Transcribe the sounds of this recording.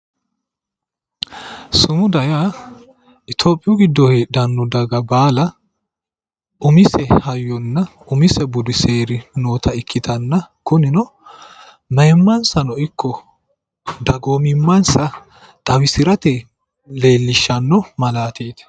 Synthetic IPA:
sʊmʊd̪ɐjaː | ɪt̪ʰoːpʼːɪjʊɡɪd̪ːɔhed̪ɐnːʊd̪ɐɡɐbaːlɐ | ʊmɪsɛhɐjːɔnːɐʔʊmɪsɛbʊd̪ʊse̞ːɾɪnoːt̪ʰɐɪkʰːɪt̪ʰɐnːɐkʊnɪnɔ | mɐjɛmːɐnsɐnɔɪkʰːɔ | d̪ɐɡoːmɪmːɐnsɐ | t̪ʼɐwɪsɪɾɐt̪ɛ | le̞ːlːɪʃːɐnːɔmɐlaːt̪eːt̪

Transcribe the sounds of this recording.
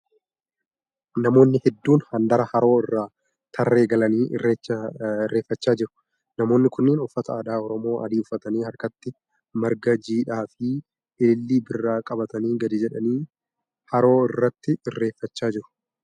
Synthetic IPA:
nɐmo̞ːnːɪhɛd̪ːuːnhɐnd̪ɐɾɐhɐɾo̞ːɪrːaː | t̪ʰɐrːe̞ːɡɐlɐnḭːrːeɪrːe̞ːfːɐt͡ʃːaːd͡ʒɪɾʊ̥ | nɐmo̞ːnːɪkʊnːiːnʊfːɐt̪ɐaːd̪aːɔɾɔmo̞ːʔɐ̰d̪iːʊfɐt̪ɐniːhɐɾkɐt̪ːɪ | mɐɾɡɐd͡ʒiːᶑaːfɪ | ɪɪlːiːbɪrːaːkʼɐbɐt̪ɐniːɡɐd̪ɪd͡ʒɛᶑɐniː | hɐɾo̞ːɪrːɐt̪ːɪrːe̞ːfːɐt͡ʃːaːd͡ʒɪɾʊ̥

